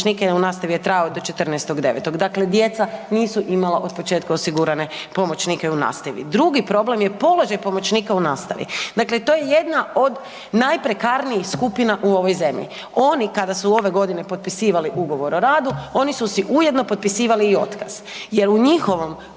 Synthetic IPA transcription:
nikeunaːst̪aʋijet̪ɾajod̪o̞t͡ʃe̞t̪ərnɛst̪oɡd̪e̞ʋḛt̪o̞ɡd̪akle̞d̪je̞t̪saniːsuʔimalaʔo̞d̪̚pot͡ʃe̞ːt̪̚kaosiɡuɾane̞ | po̞mo̞t͡ʃnikeuna̰ːst̪aʋḭd̪ɾuɡipɾo̞ble̞mjepo̞lo̞ʒajpo̞mo̞t͡ʃniːkaunaːst̪a̰ʋḭd̪akle̞t̪ojeje̞d̪nao̞d̪ | najpɾe̞kaɾnijixskupinaʔuo̞ʋo̞jze̞mʎḭ | o̞nikad̪asuo̞ʋe̞ɡo̞d̪ine̞po̞t̪̚pisiːʋaliʔuɡo̞ʋo̞ɾoɾaːd̪uo̞nisusiʔujed̪no̞pot̪̚pisiːʋaliːo̞t̪kaz̥ | je̞ɾuɲixo̞ʋo̞m

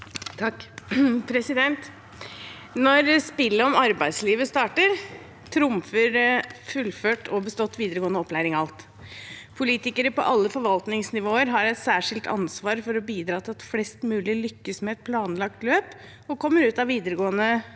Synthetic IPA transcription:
pʰɾɛsɪd̪ɛnt̪ | nɔɾspɪlːəɔmɑɾbæɪd̪sliːʋəst̪ɑːʈəɾ | t̪ʰɾʊmfəɾfʉlføːʈʰɔbəst̪ɔt̪ːʋiːd̪əɾəɡoːnɔpːlæɪɾɪŋɑlt̪ | pʰʊliːt̪ɪkəɾəpɔ̰ʔɑlːəfɔɾʋɑlt̪nɪŋsnɪʋoːəɾɦɑɾɛt̪sæːʂɪlt̪ʰɑ̰nsʋɑːɾfɔɾɔbiːd̪ɾɑːt̪ʰɪlɑt̪flɛst̪mʉːlɪlʏkːəsmɛɛt̪̚pʰlɑːnlɑk̚t̪løːp | ɔkʰɔmːəɾʉːt̪ɑʋʋiːd̪əɾəɡoːənə

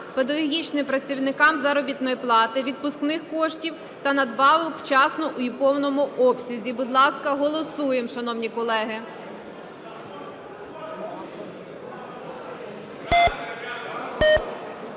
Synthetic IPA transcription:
ped̪ɐɦɔɦʲit͡ʃnɪmpɾɐt͡sʲiwnɪkɑmzɐɾɔbʲit̪nɔjiplˠɑt̪ɪʋʲid̪̚pʊsknɪxkɔʃtʲiw | t̪ɐnɐd̪bɑʋɔkwt͡ʃɑsnɔʔuipɔwnɔmʊɔpsʲɐzʲibʊd̪lˠɑskɐɦɔlˠɔsujemʃɐnɔwnʲikɔlˠɛɦɪ

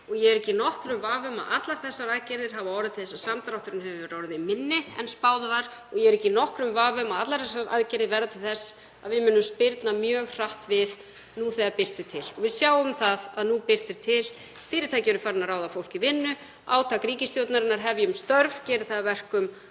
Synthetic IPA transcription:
ɔɣjɛɛɾɛcɪnɔhkɾʏmvaːvʏma̰ðat̪laɾ̥θɛsːaɾaðcɛɾðɪɾ̥ɦavaɔwɾɪat̪ʰɪθɛsaðsamt̪ɾawht̪ʏɾɪnɦɛvɪʏvɛɾɔːwɾʏðimɪnːɪɛ̰nspaːwðavaɾ̥ | ɔɣjɛɛɾɛhcːɪnɔhkɾʏmvaːvʏmaðat̪laɾ̥θɛsːaɾʔa̰ðcɛɾðɪvɛɾðat̪ʰɪlθɛsː | aðvɪðmʏnːʏmspɪɾt̪namjœːɣr̥aht̪vɪð | nuθɛðapɪr̥t̪ɪ̥t̪ʰɪlɔvɪðsjaːwʏmθaðaðnupɪr̥t̪ɪɾ̥t̪ʰɪl | fɪːɾɪɾ̥t̪ʰacɛːɾʏɾfaɾɪnaɾaːwðafowl̥cɪvɪnːʏ | aːwt̪ʰakɾiːcɪst̪jowt̪naɾɪnaɾ̥ɦɛvjʏʏmst̪œɾv̥cɛːɾɪθaavɛr̥kʏm

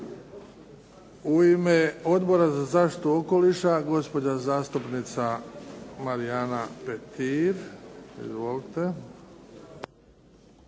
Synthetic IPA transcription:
uimeo̞d̪bo̞ɾazazaːʃt̪i̥t̪uo̞ko̞liʃaɡo̞spo̞d͡ʑazaːst̪upnit̪sa | maɾijanapet̪iɾḭzʋo̞lit̪e̞

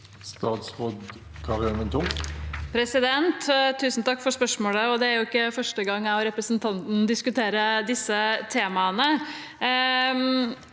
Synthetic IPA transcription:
st̪ɑːt̪sʁoːd̪ | kʰɑʁɪlmənt̪ʰʊmpʰɾɛsɪd̪ɛnt̪t̪ʰːʉːsn̩t̪ʰɑkːfɔɾʂpœʂmoːɽəɔd̪ɛæɾjʊɪkːəfœʂʈəɡɑŋːɑɾɛpɾəsnt̪ʰɑnt̪n̩d̪ɪskʉt̪ʰeːɾəd̪ɪsːət̪ʰeːmɑənə

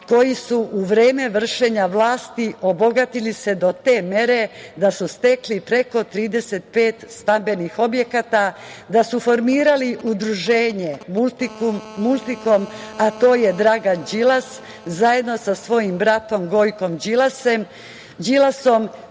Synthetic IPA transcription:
ko̞jisuʔuʋɾeːme̞ʋr̩ʃe̞ɲaʋlaːst̪iʔo̞bo̞ɡat̪ilise̞d̪o̞t̪e̞ːme̞ɾe̞d̪asust̪e̞klipɾe̞ko̞t̪ɾiːd̪e̞se̞t̪̚pe̞ːt̪st̪ambe̞nixo̞bje̞kat̪ad̪asufo̞ɾmiːɾaliʔud̪ɾuʒeːɲe̞mult̪ikuːulˠt̪iko̞mat̪o̞ːje̞d̪ɾaːɡad͡ʒilas | zaje̞d̪no̞sasʋo̞jimbɾat̪o̞mɡo̞jko̞md͡ʒilasem | d͡ʒilaso̞m

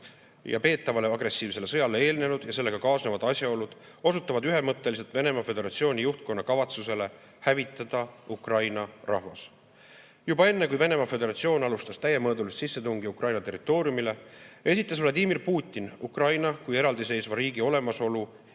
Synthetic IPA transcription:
jɑ̰pe̞ːt̪ːˑɑvɑle̞ɑɡre̞sːiːvse̞lːe̞sɤ̞jɑlee̞ːlne̞nud̪̥jɑse̞lːe̞ɡ̥ɑkɑːsnevɑd̪̥ɑsjɑo̞lud̪̥ | o̞sut̪ːˑɑvɑd̪yɦe̞mɤt̪ˑːe̞lis̬e̞lt̪ve̞ne̞mɑfe̞d̪e̞ɾɑt̪sio̞ːnʲijuht̪̚ko̞nːɑkɑvɑt̪suse̞le̞ | hævit̪ːˑɑd̪̥ɑukrɑjnɑrɑhvɑ̰s | jubɑe̞nːe̞kujve̞ne̞mɑfe̞d̪e̞ɾɑt̪sio̞ːnɑlust̪ɑst̪æjemɤːd̪ulussisːe̞t̪uŋɡiukrɑjnɑt̪e̞rːit̪ːˑo̞ːɾjumile̞e̞sit̪ːˑɑsvlɑd̪iːmirpuːt̪ʲːˑinukrɑjnɑkuje̞ɾɑld̪ise̞jsvɑɾiːɡio̞le̞mɑso̞lu

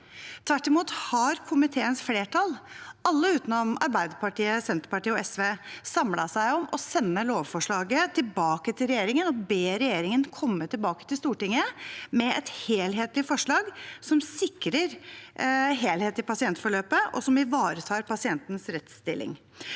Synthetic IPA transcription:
t̪ʰʋæʈːɪmuːt̪hɑɾkʰʊmɪt̪ʰeːənsfleːʈʰɑlʔɑlːəʉːt̪nɔmɑ̰ɾbæɪd̪əpʰɑʈiːəsɛnt̪ɾəpɑʈiːəɔɛsʋeːsɑmlɑsæɪɔmʔɔsɛnːəloːʋfɔʂɭɑːɡət̪ʰɪlbɑːkət̪ʰɪlɾɛjeːɾɪŋənɔbeːɾɛjeːɾɪŋənkʰɔmːət̪ʰɪlbɑːkə̥t̪ɪlst̪uːʈɪŋːəmɛɛt̪heːlɦeːt̪lɪfɔʂɭɑːɡsɔmsɪkɾəɾ | ɦeːlheːt̪ɪpʰɑsɪɛnt̪fɔɭøːpəʔɔ̰sɔmɪʋɑːɾət̪ʰɑːɾpɑsɪɛnt̪nsɾɛt̪st̪ɪ̰lʔɪ̰ŋ

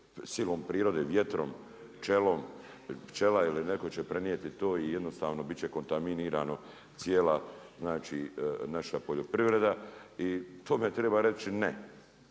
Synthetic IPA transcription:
silompɾiːɾo̞d̪eːʋje̞t̪ɾo̰m | t͡ʃelom | t͡ʃelailineko̞t͡ɕepɾenijet̪it̪oːijed̪nost̪aːʋno̞bit͡ɕeko̞nt̪aminiːɾaːno̞ | t̪sjeːlaznaːt͡ʃinaʃapoʎo̞pɾiʋɾe̞d̪ait̪ʰoːmet̪ɾeːbaɾet͡ɕine

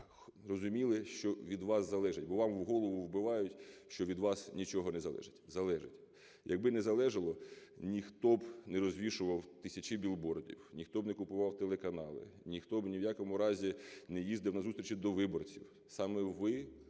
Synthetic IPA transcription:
rɔzʊmʲilˠɪʃt͡ʃɔʋʲid̪ʋɑszɐlˠɛʒɪtʲbɔʋɑmwɦɔlˠɔʋʊwbɪʋɑjʊtʲʃt͡ʃɔʋʲid̪ʋɑsnʲit͡ʃɔɦɔnɛzɐlˠɛ̰ʒɪtʲzɐlˠɛʒɪtʲ | jʔɐɡ̚bɪnɛzɐlˠɛʒɐlˠɔnʲixt̪ɔbnɛɾɔzʲʋʲiʃʊʋɐwt̪ɪsʲɐt͡ʃɪbʲilˠbɔrdʲḭwnʲixt̪ɔbnɛkʊpʊʋɑwt̪elˠekɐnɑlˠɪ̰nʲixt̪ɔbnʲiwjakɔmʊɾɑzʲinɛjizd̪ɪwnɐzust̪ʲɾʲt͡ʃid̪ɔʋɪbɔrt͡sʲiw | sɑmɛʋɪ

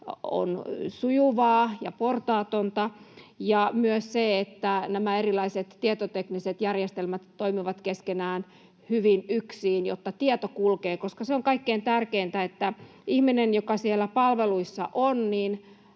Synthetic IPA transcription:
o̰nsujuʋɑːjɑport̪ɑːt̪ont̪ɑjɑmyøsseet̪ːænæmæerilɑiset̪ːiet̪ot̪ekniset̪jærjest̪elmæt̪ːoimiʋɑt̪keskenæːn | hyʋinyksiːnjo̰t̪ːɑt̪iet̪okulkeːkoskɑseoŋkɑikːeːnt̪ærkeint̪æet̪ːæ | ihminenjokɑsielːæpɑlʋeluisːɑ̰ʔonniːn

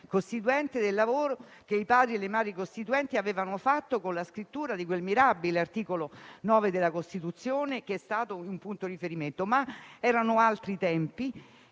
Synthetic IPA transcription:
kost̪it̪uɛnt̪ed̪elːavoːɾo | k̟eipaːd̪ɾielːemaːd̪ɾikost̪it̪uɛnt̪iaveːvanofat̪ːokonlaskɾit̪ːuːɾad̪ikwelmiɾabileart̪iːkolonɔːved̪elːakost̪it̪ut̪sːjoːnek̟eɛst̪aːt̪oiumpunt̪oɾifeɾiment̪omaɛːɾanoalt̪ɾit̪ɛmpi

